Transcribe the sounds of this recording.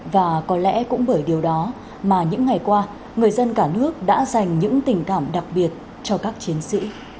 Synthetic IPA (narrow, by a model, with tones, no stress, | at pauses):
vaː˨˩kɔ˨˦lɛ̰˧˥kʊ̰˧˥ŋ͡mɓəː˧˩jɗi˨˩əwɗɔ˨˦ | maː˨˩ɲɨ̰˧˥ŋːa˨˩jkwaː˧ | ŋɨ˨˩əjzə˧nkaː˧˩nɨ˦˥ək̚ɗa̰ː˧˥za˨˩jŋ̟ɲɨ̰˧˥ŋt̪ï˨˩ŋ̟kaː˧˩mɗa˨˩k̚ɓi˨˩ət̚ | t͡ɕɔ˧kaː˦˥k̚t͡ɕi˨˦ənsḭ˧˥